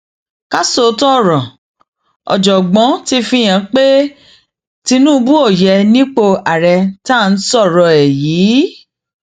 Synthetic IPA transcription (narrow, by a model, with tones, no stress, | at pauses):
ka˦so˦˨˦tɔ˦˨ɾɔ˨ | ɔ̰˨d͡ʒɔ˨ɡ͡bɔ̃˨˦ti˧fĩ˧˨j̃ã˧k͡pe˦ | ti˧nũ˦˧bu˦o˦˨jɛ˧nĩ˦k͡po˧a˨ɾɛ˧ta˦˧n̩˦sɔ˦˨ɾɔ˧ɛ˨jiː˨˦